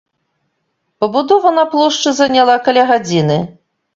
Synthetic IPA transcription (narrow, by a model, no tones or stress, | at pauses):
pɐbud̪ɔvɐnɐplˠɔʂt͡ʂɨzɐnʲalˠakalʲaɣad͡zʲinɨ